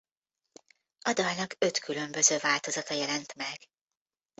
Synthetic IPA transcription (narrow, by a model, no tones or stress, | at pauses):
ɒd̪ɒjnɒɡø̞t̪kʰylø̞mbø̞zøːvaːlt̪o̞zɒt̪ɒjɛlɛnt̪mɛɡ̥